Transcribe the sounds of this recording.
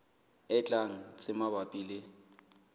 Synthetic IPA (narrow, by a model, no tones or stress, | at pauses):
ɪt͡ɬʼaŋ̩t͡sʼɪmabapʼiːlɪ